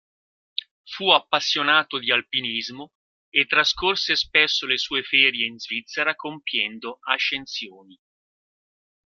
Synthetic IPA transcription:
fuapːasːjonaːt̪od̪ialpinizmo | et̪ːɾaskorsespesːolesuːefɛːɾjeinzvit̪sːeɾakompjɛnd̪oaʃːensjoːni

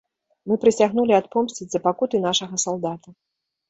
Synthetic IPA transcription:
mɨpɾɨsʲaɣnulʲiat̪pɔmsʲt͡sʲid͡zʲzɐpakut̪ɨn̪aʂɐɣɐsalˠd̪at̪ɐ

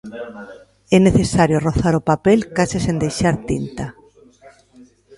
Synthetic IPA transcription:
ɛneθesaɾjʊroθaɾʊpapelkasɪsend̪ejʃaɾt̪int̪a

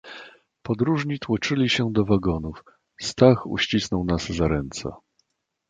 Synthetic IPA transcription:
pɔd̪ɾuʐɲit̪wɔt͡ʂɘlʲiɕɛd̪ɔvaɡɔnuf | st̪axṵɕt͡ɕisnɔwnazzaɾɛnt̪sɛ̰

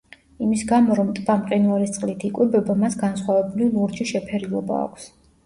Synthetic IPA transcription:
imisɡamɔɾɔmt̪ʼb̥amqʼinuaɾist̪sʼlit̪ʰikʼwibɛbamasɡansχwavɛbulilˠuɾd͡ʒiʃɛpʰɛɾilˠɔba̰ːkʷʰs

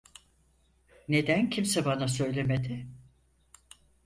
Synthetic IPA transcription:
ne̞d̪æncʰimsɛbanasø̞jlʲe̞med̪ɪ

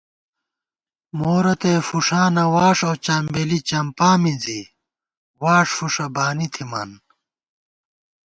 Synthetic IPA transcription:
moːɾɐt̪eːfuʂaːnɐwaːʂoːt͡ɕɐːmbelit͡ɕɐmpaːmid͡zi | waːʂfuʂɐbaːnit̪ʰimɐ̰n

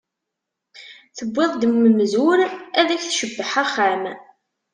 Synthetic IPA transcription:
θəbʷːɪðˤd̪əmːəmzʊɾæðæçθʃəbːəħaχam

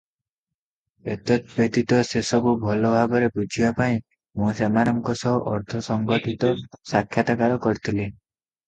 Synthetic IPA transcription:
et̪ɔt̪̚bet̪it̪ɔsesɔbubʱɔlɔbʱaɡɔɾebud͡ʒʱibapaĩ | mũsemanɔŋkɔsɔɦʔɔɾt̪ʰɔsɔŋɡɔʈʰit̪ɔsakʰːjat̪akaɾɔkɔɾit̪ʰile

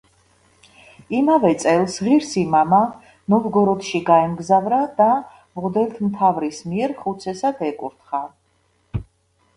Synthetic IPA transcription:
imavɛt̪sʼɛlˠsʁiɾsimama | nɔvɡɔɾɔt̪ʰʃiɡaɛmɡzavɾad̪a | mʁd̪ɛlt̪ʰmt̪ʰavɾismiɛɾχut̪sʰɛsad̪ɛkʼuɾt̪χa

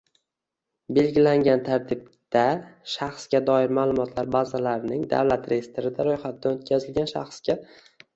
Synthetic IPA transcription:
be̞lɡʲɪlaŋɡʲant̪ʰaɾt̪ʰɪb̚ | d̪̥aʃaχsɡʲad̪ɒɪɾmaːlˠʊmɒt̪ʰlaɾbazalaɾɪnɪŋd̪a̰wlat̪ɾejest̪ɪɾɪd̪aɾojχat̪ʰɪd̪anot̪̚kʲʰazɪlɡʲanʃa̰χsɡʲa

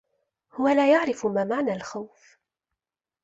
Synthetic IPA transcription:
hʊwalaːjaʕɾɪfmaːmaʕnaːlxawf

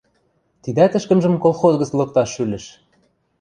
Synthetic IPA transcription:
t̪id̪æt̪ɘ̆ʃkə̆mʒə̆mkolˠxozɣɤ̆t͡slˠɤ̆k̚t̪ɑʃylɘ̆ʃ

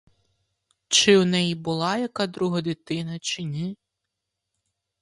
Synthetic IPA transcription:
t͡ʃɪwnɛjibʊlˠɑjɐkɑd̪ɾuɦɐd̪ɪt̪ɪnɐt͡ʃɪnʲɛ

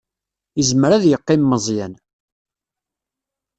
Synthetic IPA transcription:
əzməɾæðjəqːɪmːəzˤjæn

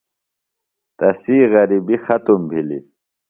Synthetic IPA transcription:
t̪ɐsiːɣɐɾibixɐt̪umbʱilḭ

